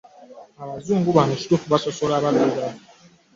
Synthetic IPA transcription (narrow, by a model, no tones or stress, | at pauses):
abazuŋ̩ɡubanɔsu̥tofubasɔsɔɾabaɡaɡa